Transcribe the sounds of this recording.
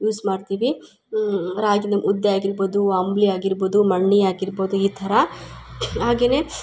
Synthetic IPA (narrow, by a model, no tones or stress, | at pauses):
juːsmaːɽt̪iːʋi | ɾaːɡind̪ɐʔud̪ːeaːɡiɾbo̞ːd̪uɐmbliaːɡiɾbo̞ːd̪umɐɳːiaːɡiɾbo̞ːd̪uiːt̪ʰɐɾɐ | ɦaːɡe̞ːne̞